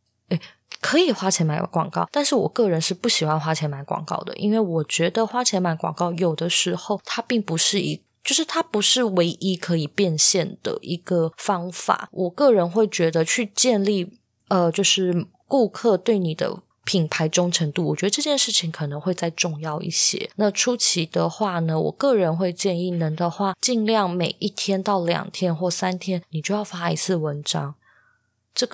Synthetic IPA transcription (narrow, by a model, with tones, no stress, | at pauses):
e˥˩ɪ | kʰɤ˧˥i˨˩xwa˥t͡ɕʰjɛ˧˥nma˧˥kwɑ̰˨˩ŋkɑ˥˩ʊt̪a˥˧nʂɻ̩˥˩wɔ̰˨˩kɤ˥˩ɻə˧˥nʂɻ̩˥˩pu˥˩ɕi˨˩xwa˥˧nxwa˥t͡ɕʰjɛ˧˥nma˧˥nkwɑ̰˨˩ŋkɑ̰˥˩ʊd̪ə̰˩ʔḭ˦˥nwe˥˩ɪwɔ˨˩t͡ɕɥɛ˧˥d̪ə˧xwa˥t͡ɕʰjɛ˧˥nma˧˥nkwɑ̰˨˩ŋkɑ˥˩ʊjo˨˩ʊd̪ə˦ʂɻ̩˧˥xo˥˩ʊt̪ʰa˥pi˥˩ŋpu˧˥ʂɻ̩˥˩i˧˥ | t͡ɕjo˥˧ʊʂɻ̩˥˩t̪ʰa˥pu˧˥ʂɻ̩˥˩we˧˥ɪʔi˥kʰɤ˧˥i˨˩pjɛ˥˧nɕjɛ˥˩nd̪̥ə̰˩ʔi˧˥ɡ̥ə˧fɑ˥ŋfa̰˨˩˦wʔɔ˨˩kɤ˥˩ɻə˧˥nxwe˥˩ɪt͡ɕɥɛ˧˥d̪ə˧t͡ɕʰy˥˧t͡ɕjɛ˥˧nli˥˩ | ə˨t͡ɕjo˥˧ʊʂɻ̩˥˩ | ku˥˧kʰɤ˥˧t̪we˥˩ɪni˨˩d̪ə̰˦ | pʰi˨˩npʰa˧˥ɪʈ͡ʂʊ˥ŋʈ͡ʂʰə˧˥ŋt̪u˥˩wɔ˨˩t͡ɕɥɛ˧˥d̪ə˧ʈ͡ʂɤ˥˧˩t͡ɕjɛ˥˧nʂɻ̩˥˩t͡ɕʰi˧˦ŋkʰɤ˨˩nə˧˥ŋxwe˥˧ɪt͡sa˥˧ɪʈ͡ʂʊ˥˧ŋjɑ˥˧ʊʔḭ˥˩ɕjɛ̰˦na˥˨ʈ͡ʂʰu˥t͡ɕʰi˧˥d̪ə˧xwa˥˩nə˩wɔ̰˨˩kɤ˥˩ɻə˧˦˥nxwe˥˧ɪt͡ɕjɛ˥˧ni˥˩nə˧˥nd̪ə˧xwa˥˩t͡ɕi˥˧ŋljɑ˥˩ŋme˨˩ɪʔi˥˩t̪ʰjɛ˥nt̪ɑ˥˩ʊljɑ̰˨˩ŋt̪ʰjɛ˥nxwɔ˥˩sa˥nt̪ʰjɛ˥nni˨˩t͡ɕjo˥˧ʊjɑ˥˩ʊfa˥i˧˥t͡sʰɹ̩˥˩wə˧˦nʈ͡ʂɑ˥ŋ | ʈ͡ʂɤ˥˩ɡ